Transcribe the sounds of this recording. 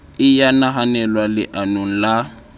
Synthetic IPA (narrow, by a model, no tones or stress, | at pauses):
ɪjanaɦanɛlwalɪʔanoŋ̩la